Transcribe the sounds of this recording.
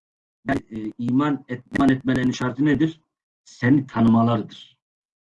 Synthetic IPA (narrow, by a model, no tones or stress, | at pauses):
bɛiːmanɛt̪̚mɛnɛt̪̚mɛlʲɛɾinʃaɾt̪ʰɯnɛd̪iɾ̥ | sɛnit̪ʰanɯmalˠaɾɯd̪ɯɾ̥